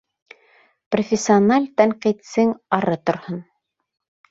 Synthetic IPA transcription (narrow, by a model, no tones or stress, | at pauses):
profʲɪsʲːɪonalʲt̪æɴqit̪sɘŋɑɾɤt̪ŏɾhon